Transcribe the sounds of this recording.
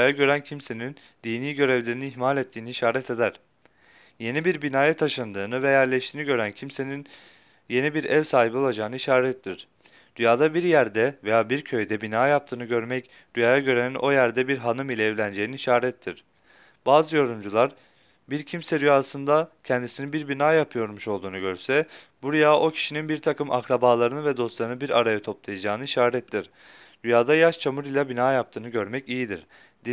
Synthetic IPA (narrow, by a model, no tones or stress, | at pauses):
aːjaɟø̞ɾæncʰimse̞nin | d̪iːniːɟø̞ɾevlʲe̞ɾiniiçmaːlʲet̪ʰːiːniiʃaːɾɛt̪ʰe̞d̪æɾ̥ | je̞nibiɾbinaːjat̪ʰaʃɯnd̪ɯːnɯvɛjæɾlʲɛʃt̪ʰiːniɟø̞ɾæncʰimsenin | je̞nibiɾɛvsaːɦibo̞lˠad͡ʒaːnɯiʃaːɾɛt̪ʰːiɾ̥ | d̪̥yjaːd̪abiɾjæɾd̪ɛvejaːbiɾcʰø̞jd̪ɛbinaːjap̚t̪ʰɯːnɯɟø̞ɾmɛc | d̪̥yjaːjaɟø̞ɾænno̞jæɾd̪ɛbiɾɦanɯmilʲɛːvlʲænd͡ʒejininiʃaːɾɛt̪ʰːiɾ̥ | b̥aːzɯjo̞ɾumd͡ʒulˠaɾ | biɾcʰimsɛd̪yjaːsɯnd̪acʰɛnd̪isinibiɾbinaːjapʰɯjo̞ɾmuʃo̞lˠd̪uːnuɟø̞ɾsɛb̥uɾajaːʔo̞cʰi̥ʃininbiɾt̪ʰakɯma̰kɾabaːlˠaɾɯnɯvɛd̪o̞st̪lˠaɾɯnɯbiɾa̰ɾajat̪ʰo̞plˠajad͡ʒaːnɯiʃaːɾɛt̪ʰːiɾ | d̪̥yjaːd̪ajaʃt͡ʃʰamɯɾilʲˠabinaːjap̚t̪ʰɯːnɯɟø̞ɾmɛcijid̪iɾ̥ | d̪i